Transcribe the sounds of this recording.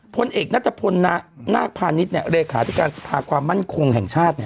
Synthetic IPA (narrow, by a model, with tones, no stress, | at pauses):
pʰo˧nʔeː˨˩k̚na˦˥t̪ʰːa˧pʰo˧nːna̰ː˥˩k̚pʰaː˧ni˦˥t̪̚ni˥˩ɐɾeː˧kʰaː˩˦t̪ʰi˦˩kaː˧nsḁ˧pʰaː˧kʰwaː˧mːa˥˩nkʰo˧ŋhɛ˨˩ŋt͡ɕʰaː˥˩t̪̚ni˥˩